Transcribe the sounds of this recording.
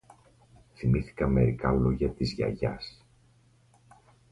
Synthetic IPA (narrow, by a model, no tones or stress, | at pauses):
θimiθi̥kɐme̞̰ɾikɐloʝɐt̪izʝɐ̰ʝɐ̰s